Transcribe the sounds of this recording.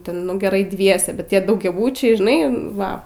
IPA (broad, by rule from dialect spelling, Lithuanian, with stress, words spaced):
ˈtʲɛn nʊ ɡʲɛˈrɐɪ ˈdʲʋʲiɛsʲɛ bʲɛt ˈtʲiɛ dɐʊɡʲɛˈbʊt͡ʃʲɛɪ ʒʲɪˈnɐɪ ˈʋɐ